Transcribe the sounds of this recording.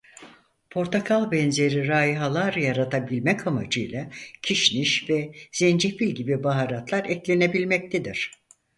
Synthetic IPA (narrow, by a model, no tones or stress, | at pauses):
pʰo̞ɾt̪ʰakʰalˠbɛnze̞ɾiɾaːiɦalˠaɾɯjaɾat̪ʰabilʲmɛkʰama̰d͡ʒɯjlˠacʰiʃniʃvɛz̥ɛnd͡ʒefilʲɟibibaɦaɾat̪lˠaɾɛclʲe̞ne̞bilʲmɛc̚t̪ʰed̪iɾ̥